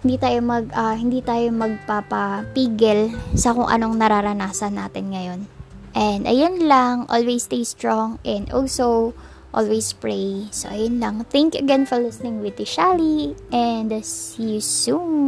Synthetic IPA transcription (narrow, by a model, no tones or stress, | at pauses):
hɪnd̪it̪aːjomɐɡɐhɪnd̪iːt̪aːjo̞mɐɡ̚papɐpiːɡɛlsɐkʊŋʔɐ̰no̞ŋnɐɾaɾɐnaːsɐnːa̰ːt̪ɪnŋɐjo̞nʔɛnd̪ɐ̰jonlɐŋʔo̰lwejst̪ejst̪ɹoŋʔɛnd̪ʔolsow | ʔo̰lwejspɹejso̰ʔɐjonlɐŋθɛŋkjuʔɐɡɛnfɔɹlɪsnɪŋwɪt̪ɪʃaliʔɛnd̪ɐsjusum